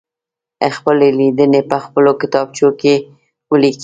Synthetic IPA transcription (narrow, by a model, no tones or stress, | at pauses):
əxpəlelid̪ənepəxpəlokɪ̥t̪ɑb̚t͡ʃoke | wəlik